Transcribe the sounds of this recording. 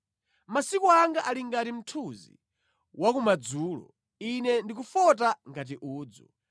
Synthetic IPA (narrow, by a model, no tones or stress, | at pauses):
masikuaŋɡaʔaliŋɡatim̩tʰuzḭ | wakumad͡zuːlɔ̰ | inɛndikufɔt̬aŋɡat̬iʔuːd͡zɔ